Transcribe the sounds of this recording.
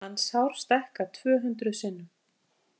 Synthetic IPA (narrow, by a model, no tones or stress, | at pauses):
anːshawɾ̥st̪ɛhkat̪ʰv̥œːɦʏnt̪ɾʏsɪnːʏ